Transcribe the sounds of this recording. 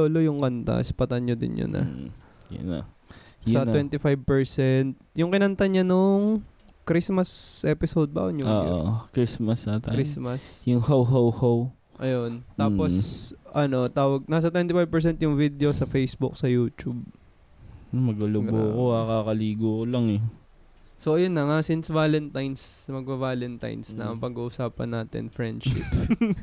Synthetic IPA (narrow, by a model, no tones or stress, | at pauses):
olojʊŋkɐnt̪a̰ʔɪspɐt̪ɐnɲod̪ɪ̰nɲo̰nʔɐ̰ | jɐ̰nɐ̰sɐt̪wɛnt̪ɪfajb̚pɛɹsɛnt̪̚jʊŋkɪnɐnt̪ɐɲanoŋ | kɾismɐsʔɛpɪsowd̪̚bɐ̰ʔonjʊŋoʔo̰kɾismɐsat̪ɐɾismɐsjʊŋhowɦowhow | ʔɐjont̪aːposʔɐno̞t̪aːwɐɡ̚naːs̬ɐt̪wɛnt̪ɪfajv̚pɛɹs̬ɛnt̪jʊŋvid̪eosɐfejsbʊk̚sɐjuːt͡ʃub̚ | mɐɡɐlʊɡboːkoakakɐliːɡokolɐŋɛ | soʔɐjonːɐŋasinsvaːlɛnt̪ajnsɐmɐɡ̚ʔpɐvaːlɛnt̪a̰jnsnɐ̰ʔɐŋpɐɡuʔʊsaːpɐ̰nːaːt̪ɛ̰nfɹɛnd̪ʃɪ̰p